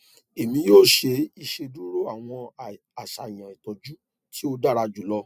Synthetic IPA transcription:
e˨mĩ˧˦joː˦˨ʃe˧i˧ʃe˧du˦ɾo˦a˦˨w̃ɔ̃˧ | a˨ʃa˨i˨j̃ã˨i˨tɔ˨d͡ʒu˦ | ti˦o˧da˦ɾa˧d͡ʒu˨˦lɔ˦

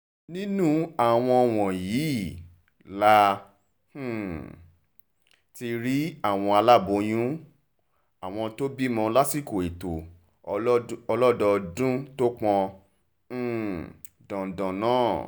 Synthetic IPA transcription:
nĩ˦nũ˦a˨w̃ɔ̃˧ɔ˧w̃ɔ̃˨jiː˨˦˨ | la˦ | h̩˦˨ | ti˧ɾi˦a˦˨w̃ɔ̃˧a˧la˦˨bo˨˦j̃ũ˦ | a˨w̃ɔ̃˧to˦bi˦mɔ̃˧la˦si˦˨ko˨e˨to˨ | ɔ˧lɔ˦dɔ˧dũ˦to˦k͡pɔ̃˧˦˨ | dɔ̃˨dɔ̃˨nãː˦˨

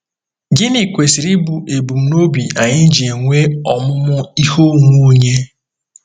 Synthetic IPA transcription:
ɡɪ˦ni˨kʷe˨si˨ɾi˦bu˨e˨bu˨m̩˨no˦bi˨ʔa˨ɲɪ˦n̩˦d͡ʒe˨ŋʷe˦ɔ˨mʊ˦mʊ˦i˦ho˦ŋu˦ɲe˦

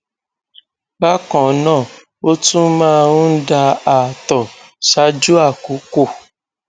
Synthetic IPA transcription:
ba˦kɔ̃˨˦nãː˦˨ | o˦tũ˦mãː˦˨˧ɾũ˦n̩˦da˧a˨tɔ˨sa˧˦d͡ʒu˦a˦˨ku˨˦ko˦˨

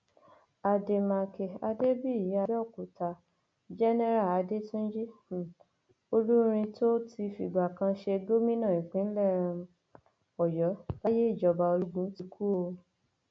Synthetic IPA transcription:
a˧de˧mã˧kɛ˨a˧de˦bi˦˨ji˨˦a˧˦ɔ˦˨ku˨ta˧˨ | d͡ʒɛ˦nɛ˦ɾa˦˨a˨˦de˦tũ˦d͡ʒi˦˨ | o˧lu˦ɾ̃ĩ˧to˦ti˧fḭ˨ɡ͡ba˨kã˧ʃe˧ɡo˦mĩ˦nã˦˨i˨k͡pĩ˨˦n̩˦lɛ˦˨ɾ̃ã˧ | ɔ˨jɔ˨˦la˦je˦i˦˨d͡ʒɔ˧ba˧o˧ɾu˦ɡũ˦ti˧kʰu˦o˧

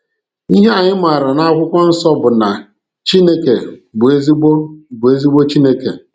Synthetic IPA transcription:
i˦ɦe˦a˨ɲɪ˦ma˨ɾa˨na˦a˦kʷʊ˦kʷa˦n̩˦sɔ˦bʊ˨na˨ | t͡ʃi˦ne˦ke˨bʊ˨e˦zi˦ɡ͡bo˦bʊ˨e˦zi˦ɡ͡bo˦t͡ʃi˦ne˦ke˨

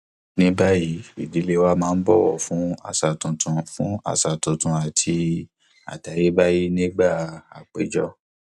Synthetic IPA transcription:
nĩ˦ba˦ji˨˦i˨di˨˦le˦wa˦mãː˨˦˧n̩˦bɔ˦wɔ̰˨fũ˨˦a̰˦˨sa˨tũ˨tʰũ˨fũ˦a̰˦˨sa˨tũ˨tũ˨a˨tʰi˧ | a̰˨ta˨˦je˦ba˦ji˦nĩ˦ɡ͡ba˦˨a˨k͡pe˨d͡ʒɔ˦

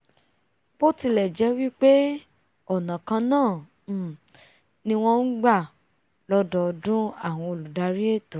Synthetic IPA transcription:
bo˦ti˧lɛ˨d͡ʒɛ˨˦wi˦k͡pe˦ | ɔ˦˨nã˨kã˧nãː˦˨˦ | nĩ˧w̃ɔ̃˧n̩˦ɡ͡ba˦˨ | lɔ˦dɔ˧dũ˦a˦˨w̃ɔ̃˧o˧˨lu˨da˧˦ɾi˦e˦˨to˨˦

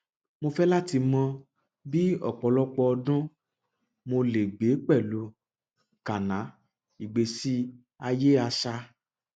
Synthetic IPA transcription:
mo˧fɛ˦la˦ti˧mɔ̃˧ | bi˦ɔ̰˨k͡pɔ˨˦lɔ˦k͡pɔ˧ɔ˧dũ˦ | mo˧le˨ɡ͡be˨˦k͡pɛ˦˨lu˨˦ | ka˨nã˨˦ | i˨ɡ͡be˧si˦ | a˧je˦a˧ʃa˧

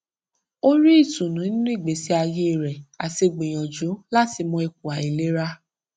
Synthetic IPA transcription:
o˦ɾi˦i˦˨tũ˨nũ˨˦nĩ˦nũ˦i˦˨ɡ͡be˨˦si˦a˧je˧˦˨ɾɛ˨a˨se˧ɡ͡bẽ˨j̃ɔ̃˨d͡ʒo˨˦la˦ti˧mɔ̃˧e˧k̚u˨a˨i˨le˨˦ɾa˦

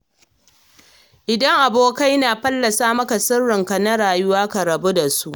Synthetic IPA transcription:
ʔɪ˨dɐ˦ŋʔa˨boː˦ka˦jnaː˨ɸɐ˦lːɐ˨saː˦mɐ˦ka˨sʊ˦rːɪ˨ŋkɐ˨nɐ˦ɽaː˨jʊ˦waː˦kɐ˨ɾɐ˨bu˦da˨su˦ʔ

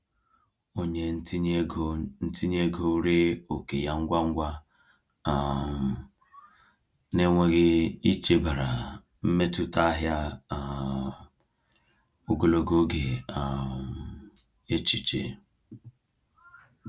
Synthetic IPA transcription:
o˦ɲe˦n̩˦ | n̩˦ti˦ɲ˦e˦ɡo˦ɾe˦o˨ke˨ja˨ŋ̩˦ɡʷa˦ŋ̩˦ɡʷa˦ | a˨m˨ | ne˦ŋʷe˦ɣɪ˦i˦t͡ʃe˦ba˨ɾa˨ | m̩˦me˦tu˦ta˦ɦja˦˨ | o˦ɡo˦lo˦ɡo˦ɡe˨a˨m | e˦t͡ʃi˨t͡ʃḛ˨

